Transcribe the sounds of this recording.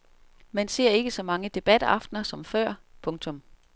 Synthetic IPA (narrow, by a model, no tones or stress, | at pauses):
mense̝ɐ̰e̝ɡ̥əsɒ̽mɑ̈ŋəd̥e̝b̥æd̥ɑ̈fd̥nɐsɒ̽mfɶɐ̰pʰɔ̽ŋt͡sʰɔ̽m